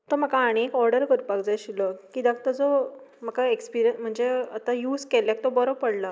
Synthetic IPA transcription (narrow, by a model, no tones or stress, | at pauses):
t̪əm̤əkaːɽ̃eekɔɾɽəɾkəɾpakd͡zajɕiləkid̪ak̚t̪əd͡zo | m̤əkaekspiɾijənm̤əɳd͡zeə̰t̪ajuːskelak̚t̪obɔɾobpəɽla